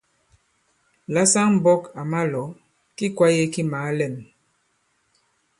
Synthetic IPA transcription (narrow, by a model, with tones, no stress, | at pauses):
la˦sa˦ŋm̩˨bɔ˦ka˨ma˦lɔ˨˦ | ki˦kwa˦je˦ki˦maː˨˦lɛ˦˨m